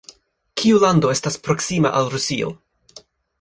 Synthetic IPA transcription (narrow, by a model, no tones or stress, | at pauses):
kʰiulando̞e̞staspɾo̞ksima̰ʔalɾusio̞̰